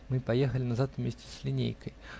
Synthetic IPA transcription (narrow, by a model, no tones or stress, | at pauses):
mɨpajexəlʲɪnazat̪vmʲesʲt͡sʲɪ̥sʲlʲinʲḛjkəj